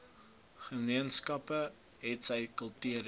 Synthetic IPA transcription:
χəmiənskɐpə | ɦɛtsəjkəlˠtyəɾ

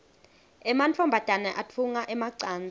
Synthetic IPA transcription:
ɛmant͡fʰɔmbʱad̥ʱanɛʔatʰuŋaʔɛmaǀaːnd͡zʱa

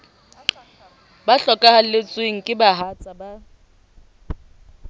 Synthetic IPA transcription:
baɬɔkʼahalet͡sʼweŋ̩kʼɪbaɦat͡sʼaba

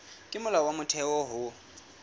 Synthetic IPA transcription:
kʼɪmʊlawamʊtʰɛɔɦʊ

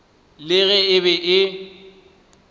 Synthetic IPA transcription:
lɪɣɛɪβɛʔɪ

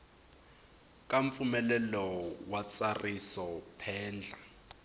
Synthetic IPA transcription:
k̬ʼaɱp̪fumɛlɛlɔwat͡sʼarisɔpʰɛːnd͡ɮʱa

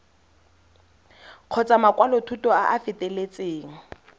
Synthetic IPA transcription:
q͡χʰɔt͡sʼamakʼwalɔtʰutʼɔaʔafɪtʼɛlet͡sʼeːŋ̩

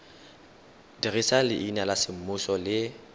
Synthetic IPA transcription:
dirisalɪʔinalasɪm̩mʊsɔlɪ

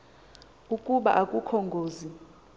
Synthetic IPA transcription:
ukʼuɓa̰ʔakʼukʰɔŋɡʱoːzi

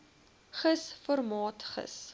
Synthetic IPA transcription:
χəsfɔrmɑːtχə̰s

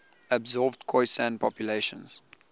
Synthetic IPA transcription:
əbzɔlvdkʰɔɪsãnpʰɔpjuleɪʃə̰̃nz̥

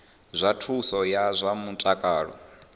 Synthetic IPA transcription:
zʷatʰusɔjazʷamutʼakʼaːɺɔ̰

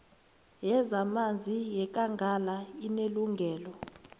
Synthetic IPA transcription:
jɛzamand͡zʱijɛk̬ʼaŋɡʱalaineluŋɡʱɛːlɔ

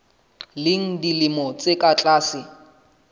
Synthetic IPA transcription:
lɪŋ̩dilɪmɔt͡sʼekʼat͡ɬʼaːsɪ

